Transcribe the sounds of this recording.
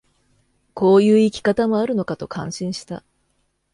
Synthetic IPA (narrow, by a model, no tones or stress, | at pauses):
ko̞ːjɯ̟ːikʲi̥kat̪amo̞aɾɯ̟no̞kat̪o̞kʰãɰ̃ɕĩɰ̃ɕi̥t̪a̰